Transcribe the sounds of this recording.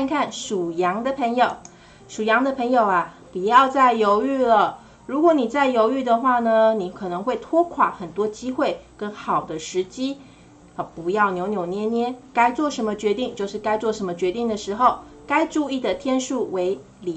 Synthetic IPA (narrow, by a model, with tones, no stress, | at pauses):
a˥˧nkʰa˥˩nʂu˨˩jɑ˧˥ŋd̪ə˨pʰə˧˥ŋjo˨˩ʊ | ʂu˨˩jɑ˧˥ŋd̪ə˨pʰə˧˥ŋjo˨˩ʊa˦pu˨˩jɑ˥˧ʊt͡sa˥˩ɪjo˧˥ʊy˥˩lə˩ | ɻu˧˥kwɔ˧˥˦ni˨˩t͡sa˥˩ɪjo˧˥ʊy˥˩d̪ə˨xwa˥˩nə˩ni˨˩kʰɤ˨˩nɤ˧˦ŋxwe˥˩ɪt̪ʰwɔ˥kʰwa̰˨˩˦xə˨˩nt̪wɔ˥t͡ɕi˥xwe˥˩ɪkə˥nxɑ˨˩ʊd̪ə˦ʂɻ̩˧˥t͡ɕi˥˩ | pu˧˥jɑ˥˩ʊnjo˧˥ʊnjo˨˩ʊnjɛ˧˥njɛ˥nka˥ɪt͡swɔ˥˩ʂə˧˥nmə˧t͡ɕɥɛ˧˥t̪i˥˧˨ŋt͡ɕjo˥˧ʊʂɻ̩˥˩ka˥ɪt͡swɔ˥˩ʂə˧˥nmə˧t͡ɕɥɛ˧˥t̪i˥˩ŋd̪ə˩ʂɻ̩˧˥xo˥˨ʊ | ka˥ɪʈ͡ʂu˥˧i˥˩d̪ə˩t̪ʰjɛ˥nʂu˥˩we˧˥ɪ | li˨˩